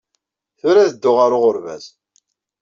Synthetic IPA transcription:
θʊɾæðəd̪ːʊʁaɾʊʁʊɾvæ̰z

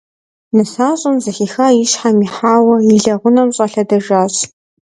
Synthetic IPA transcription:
nɨsaːɕʼʊmzɨxiːxaːjiʃħamiːħaːwɐiɮɐʁʷʊnɐmɕʼɐɬɐdɐʒaːɕʼ

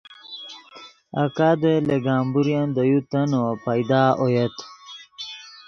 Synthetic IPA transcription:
a̰kad̪eleɡaːmbuɾjand̪əjut̪ɐnopajd̪aːojet̪

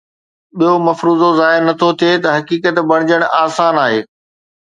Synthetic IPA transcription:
ɓijomɐfɾuːzozaːɪɾnɐt̪ʰot̪ʰiet̪ɐɦɐkiːkət̪bɐɽ̃ɪd͡ʑəɽ̃aːsaːnaːɦeː

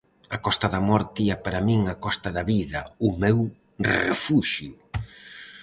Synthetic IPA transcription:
ɐkɔst̪ɐðɐmɔɾt̪iɐpaɾɐmiŋakɔst̪ɐðɐβiðɐʊmew | rḛfuʃjʊ

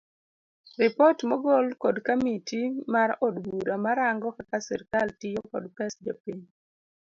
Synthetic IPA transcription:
rɪpɔtmɔɡɔlkɔdkamitʰimaɾɔdwuɾamaɾaŋɡɔkakasɛ̰ɾkaltɪjokɔ̰dpɛsd͡ʒapiɲ

